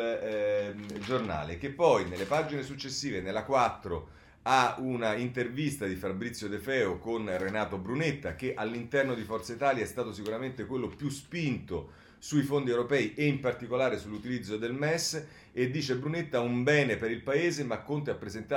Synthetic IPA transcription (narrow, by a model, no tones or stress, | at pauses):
d͡ʒorna̰ːlek̟epːɔjnelːepaːd͡ʒinesut͡ʃːesːiːvenelːakwat̪ːɾo | aunaint̪ervist̪ad̪ifabɾit̪sːjod̪efɛːokonrenaːt̪obɾunet̪ːak̟eʔalːint̪ɛrnod̪ifɔrt̪sait̪aːljaɛst̪aːt̪osikuɾament̪ekwelːopjuspint̪o | suifond̪iewɾopɛːiʔeimpart̪ikolaːɾesulːut̪ilid̪zːod̪elmɛsː | ed̪ːiːt͡ʃebɾunet̪ːaumbɛːnepeɾilpaeːzemakːont̪eapːɾezent̪a